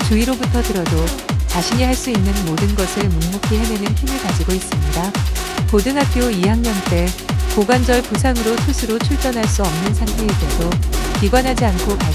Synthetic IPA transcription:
t͡ɕuiɾobutʰʌtɯɾʌdot͡ɕaɕʰiɲiɦaɭs͈uinːɯnmodɯnɡʌsʰɯɭmuŋmokʰiɦenenɯnçimɯɭkad͡ʑiɡois͈ɯmɲidapodɯnɦapʰjoijaŋɲʌnt͈e̞koɡand͡ʑʌɭpusʰaŋɯɾotʰusʰɯɾot͡ɕʰuɭt͈ʌnɦaɭs͈uʌmnɯnsʰaŋdʰeidedokiɡwanɦad͡ʑiankʰoka

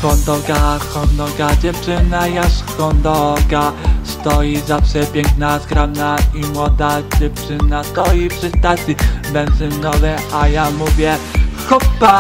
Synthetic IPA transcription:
xɔnd̪ɔɡaxɔnd̪ɔɡad͡ʑɛft͡ʂɘnajaʂxɔnd̪ɔɡast̪ɔjizafʂɛpʲjɛŋknasɡɾamnaimwɔd̪ad͡ʑɛft͡ʂɘnast̪ɔjifpʂɘst̪at̪sʲjibɛnzɛnnɔvɛajamuvʲjɛxɔpːa

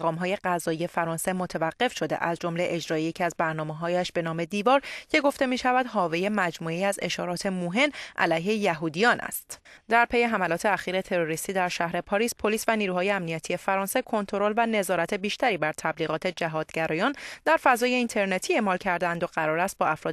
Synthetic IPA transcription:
ʁɒːmɦɒːje̞ɢæzɒːije̞fæɾɒːnse̞mo̞t̪ʰevæɢ̥ːe̞fʃo̞d̪e̞̰ʔæzd͡ʒo̞mle̞ʔe̞d͡ʒɾɒːjejecʰiæzbæɾnɒːmeɦɒːjæʃb̥e̞nɒːme̞d̪iːvɒːɾcʰe̞ɡo̞ft̪e̞miːʃævæd̪ɦɒːve̞je̞mæd͡ʒmuːeiːæze̞ʃɒːɾɒːt̪ʰe̞moɦe̞nʔæ̰læjɦe̞jæɦuːd̪ijɒːnʔæ̰st̪d̪̥æɾpʰe̞je̞ɦæmælɒːt̪ʰe̞æxiːɾe̞t̪ʰe̞ɾoɾist̪iːd̪æɾʃæhɾe̞pʰɒːɾiːspʰo̞liːsvæniːɾuːɦɒːjeæmnijæt̪ʰije̞fæɾɒːnse̞kʰo̞nt̪ʰo̞ɾo̞lvæne̞zɒːɾæt̪ʰe̞biːʃt̪æɾiːbæɾt̪ʰæbliːɣɒːt̪ʰe̞d͡ʒæɦɒːd̪̥ɡɟæɾɒːjɒːnd̪æɾfæzɒːje̞iːnt̪ʰe̞ɾnet̪ʰiːe̞ʔmɒːlcʰæɾd̪ænd̪oɢæɾɒːɾæst̪̚bɒːæfɾɒː

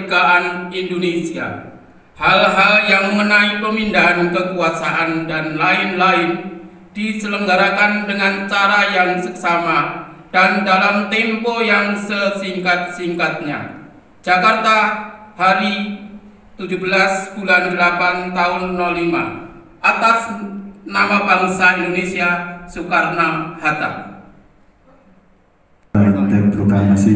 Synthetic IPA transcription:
kaʔanindonesia̰ | halɦaljaŋmənaipəmindaɦankəkuasaʔandanlaɪnlaɪn | d̥isələŋɡaɾakandəŋant͡ʃaɾajaŋsəksamad̥andalamt̪ɛmpɔjaŋsəsiŋkat̪̚siŋkat̪̚ɲa̰̥ | d͡ʒ̥akart̪ahaɾi | t̪ud͡ʒubəlasb̥ulandəlapant̪aʊnːɔlːima̰ | ʔat̪asnamabaŋsaindonesiasukarnahat̪a̰ŋ | ad̪ɛt̚ɾət̪aɲasi

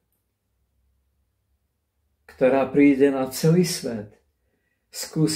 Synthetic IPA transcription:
kt̪ɔɾaːpɾiːɟɛnat͡sɛliːsʋɛt̪ | skuːs

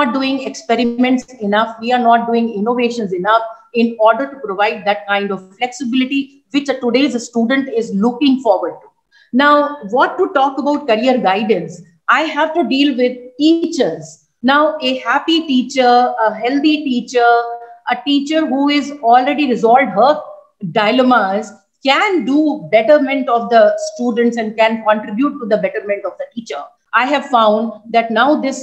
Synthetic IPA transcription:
ɔːʈ̚ɖuːɪ̃ŋɡekspɛɾɪmɛ̃ɳʈsɪnʌfʋiːaɾnɔːʈ̚ɖuːɪ̃ŋɡɪ̃noʋeːʃə̃nsɪnʌfɪ̃nɔːɾɖəɾʈupɾoʋaɪɖ̚d̪æʈ̚kãɪ̃ɳɖɔʋflɛksɪbɪlɪʈi | ʋɪt͡ʃʈuɖeːzəsʈuːɖə̃ɳʈɪzlʊkɪ̃ŋɡfɔːɾʋəɾɖ̚ʈu | naʊʋɔʈːuʈɔːkəbaʊʈ̚kɐɾiəɾɡaɪɖə̃ns | aɪɦæʋʈuɖiːlʋɪd̪̚ʈiːt͡ʃəɾz | naʊehæpiʈiːt͡ʃəɾəɦɛlt̪iʈiːt͡ʃəɾʔəʈiːt͡ʃəɾɦuːɪzɔːlɾeɖiɾɪzɔːlɖɦə | ɖaɪlemaz | kæ̃nɖuːbɛʈəɾmɛ̃ɳʈɔːʋd̪əsʈuːɖə̃ɳʈsɛ̃ɳɖ̚kæ̃nkɔ̃ɳʈɾɪbjuːʈːud̪əbɛʈəɾmɛ̃ɳʈɔʋd̪əʈiːt͡ʃəɾ | ʔaɪɦæʋfãʊ̃nɖd̪æʈnaʊd̪ɪs

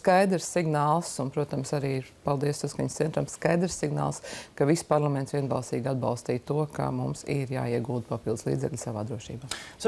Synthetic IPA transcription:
skajd̪ɾsːiɡnaːlˠsunpɾuɔt̪amsaɾiːɾpalˠd̪iɛssaskaɲʲssɛnt̪ɾamsskajd̪ɾssiɡna̰ːlˠskaʋispaɾlˠamɛ̃nt̪sʋiɛnba̰lˠst̪iːɡad̪bɑ̰lˠst̪iːjt̪uɔka̰mumsiɾja̰ːiɛɡuːd̪̚papilˠd̪slˠḭːzɛ̰klʲsaʋa̰ːd̪ɾuɔʃḭːbaːs

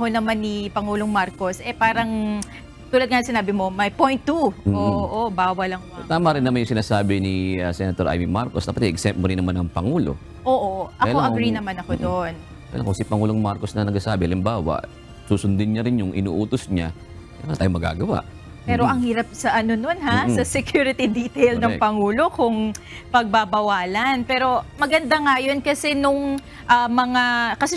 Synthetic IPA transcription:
honɐmanːipɐŋuːlo̞ŋmaɾko̞sʔɛpaːɾɐŋ | t̪uːlɐd̪̚kɐnɐŋsɪnaːbɪmo̞mɐjpojnt̪ːumːoːʔʔobaːwɐlɐŋot̪aːmɐɾɪnːɐmanjʊŋsɪnaːsaːbɪniɐsɛnɐt̪oɾʔa̰jminmaɾkosd̪ɐpɐt̪ɛʔɛk̚sɛpmoɾɪnːɐmanɐŋpɐŋuːlo̰ | ʔoːʔoʔɐjloʔɐɡɾinɐmanɐkod̪on | ajɐlʔɐŋkosipɐŋuːloŋmaɾkosnɐnɐɡ̚sɐsaːbɪhɐlɪmbaːwɐ̰ʔ | suːsʊnd̪ɪnɲaɾɪnjʊŋʔɪ̰nṵːʔuːt̪osɲa | mant̪aːjomɐɡa̰ːɡɐwa̰ʔ | pɛːɾoʔɐŋhiːɾɐp̚sɐʔɐno̞no̞nhassɐsɛkjuɾɪt̪id̪it̪ɛjlnɐŋpɐŋuːlo̞kʊŋ | pɐɡ̚bɐbɐwaːlɐnpɛːɾo̞mɐɡɐnd̪aŋajo̞nkɐsɛnʊŋ | ʔɐmɐŋakɐsɛ

